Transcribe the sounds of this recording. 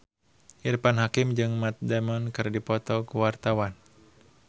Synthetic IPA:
ʔiɾpanɦakɪmd͡ʒɨŋmat̪̚dɛmɔnkɨrdipɔt̪ɔkuwart̪awan

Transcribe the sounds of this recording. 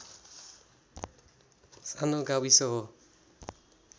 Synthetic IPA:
sanoɡawisɔɦo

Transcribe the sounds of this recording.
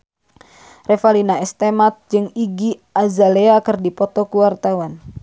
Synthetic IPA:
refalinaɛst̪emat̪̚d͡ʒɨŋiɡiazaleakɨrdipɔt̪ɔkuwart̪awan

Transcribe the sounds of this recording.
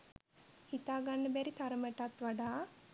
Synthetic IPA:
hit̪aːɡanːəbæɾit̪aɾəməʈat̪ʋaɖaː

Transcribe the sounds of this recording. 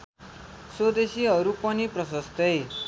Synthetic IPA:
sod̪esiɦʌɾupʌniprʌsʌst̪ʌj

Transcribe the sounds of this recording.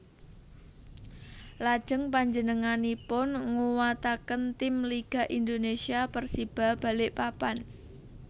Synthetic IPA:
lad̥ʒ̥ə̤ŋpaɲd͡ʒənəŋanipʊnŋuwat̪akənt̪ɪmliɡ̥a̤ʔind̪onesiapərsib̥a̤hb̥a̤lɪʔpapan

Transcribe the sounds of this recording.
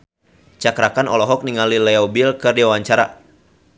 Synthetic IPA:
t͡ʃakɾakanɔlɔɦɔk̚niŋalilɛɔbilkɨrdiwawaɲt͡ʃaɾa̰

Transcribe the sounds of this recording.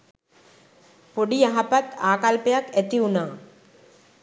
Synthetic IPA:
poɖijaɦapɐt̪aːkalpɐjaket̪iunaː

